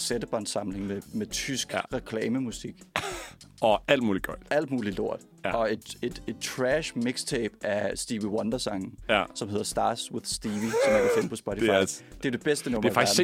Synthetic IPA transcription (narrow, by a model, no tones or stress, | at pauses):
sed̥əb̥ʰɒn̥sɑ̈mle̝ŋmemet͡sʰysɡ̥ʁɛkʰlɛːməmusiɡ̥ | ɒæl̰d̥muːliɡ̥ɒ̰̥ʔæl̰d̥muːlilo̝ɐ̰d̥ | ɒ̽e̝d̥e̝d̥e̝d̥̚t͡sʰʁæʃmiɡ̥st͡sʰeːb̥ʔæsd̥iːʋiwɒnd̥ɐsɑ̈ŋn̩sɒ̽me̝ðˠɐsd̥ɑ̈ːswɪ̝ðˠsd̥iːʋisɒ̽mæɐd̥efem̰pʰɒ̽sb̥ɒɾʰifɑɪd̥e̝æɐd̥e̝b̥esd̥ənoæfɑɡ̥æ̥ɐ